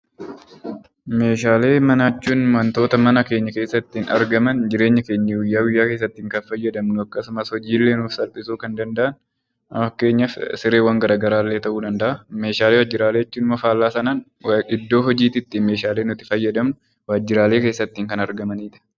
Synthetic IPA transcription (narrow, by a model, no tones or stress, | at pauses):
me̞ːʃaːle̞ːmɐnat͡ʃːuːnmɐnt̪o̞ːt̪ɐmɐnɐke̞ːɲːɐke̞ːsːɐt̪ːiːnɐ̰ɾɡɐmɐnd͡ʒɪɾeːɲːɐke̞ːɲːɐwɪjːaːwɪjːaːke̞ːs̬ːɐt̪ːiːŋkɐnfɐjːɐd̪ɐmnʊɐkːɐsʊmɐshɔd͡ʒiːlːe̞ːnuːfsɐlpʼɪsuːkɐnd̪ɐnd̪ɐʔɐn | ɐke̞ːɲːɐfsɪɾeːwɐŋɡɐɾaːɡɐɾaːlːe̞ːt̪ɐʔuːᶑ̪ɐnd̪ɐʔɐme̞ːʃaːleːwaːd͡ʒːɪɾaːleːɪt͡ʃːuːnmɐfaːlːaːsɐnɐn | ɪd̪ːo̞ːɦɔd͡ʒiːt̪ɪt̪ːime̞ːʃaːle̞ːnʊt̪ɪ̥fɐjːɐd̪ɐmnʊ | waːd͡ʒːɪɾaːleːke̞ːsːɐt̪ːiːŋkɐnɐɾɡɐmɐniːᶑ̪ɐ̥